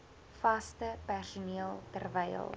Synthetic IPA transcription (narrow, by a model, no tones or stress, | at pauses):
fɐstəpærsuniəlˠtərvɛjə̰lˠ